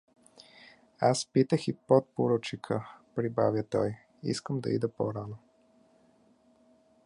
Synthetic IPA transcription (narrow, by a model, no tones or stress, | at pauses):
aspit̪əxipot̪̚poɾot͡ʃikʰəpɾibavʲjət̪ɔj | ḭskəmd̪ɐ̰ḭd̪əpo̰ɾano